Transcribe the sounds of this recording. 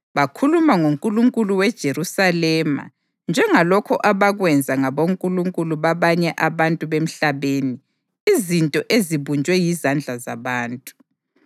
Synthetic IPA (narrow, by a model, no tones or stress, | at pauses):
βakʰulumaŋoŋkʼuluŋkʼuluwɛd̥ʒ̥ʱeɾusalɛma̰ | nd͡ʒʱɛŋalɔkʰɔʔaβaɣwɛnd͡zʱaŋaβoŋkʼuluŋkʼuluβaβaɲɛʔaβantʼuβem̩ɬaβeːni | izintʼɔʔeziβund͡ʒʱʼwɛjizand͡ɮʱazaβaːntʼu̥